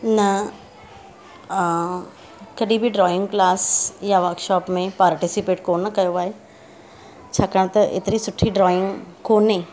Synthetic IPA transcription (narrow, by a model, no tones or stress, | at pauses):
nɐ | kɐɗĩbʱiɖɾɔːɪ̃ŋɡklaːsjaʋəɾkʃɔːpmẽpaːɾʈisipeːʈkoːnːɐkɐjoaːɦe | t͡ʃʰaːkəɳ̃t̪ɐʔɪ̰t̪ɾisʊʈʰːiɖɾɔːɪ̃ŋɡkoːnːẽ